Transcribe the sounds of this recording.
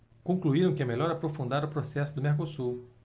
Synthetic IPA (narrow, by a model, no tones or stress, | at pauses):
kõkluiɾɐ̃w̃kɪɛmeʎɔɾapɾofũnd̪aɾʊpɾosɛsʊd̪ʊmeɾkosuɾ